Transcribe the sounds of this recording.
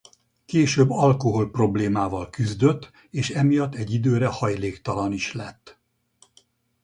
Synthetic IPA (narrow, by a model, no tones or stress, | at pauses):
keːʃøːbːɒlko̞ɦo̞lpro̞bleːmaːvɒlkyzd̪ø̞t̪ː | eːʃɛmijɒt̪ːɛɟːid̪øːɾɛhɒjleːkt̪ɒlɒniʃlɛt̪ː